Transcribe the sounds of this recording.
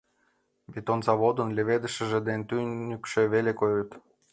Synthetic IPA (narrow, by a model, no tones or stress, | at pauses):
βit̪onzɑβod̪ɤ̆nlʲĕβed̪ə̆ʃə̆ʒĕd̪ent̪ynʲykʃĕβelekojut̪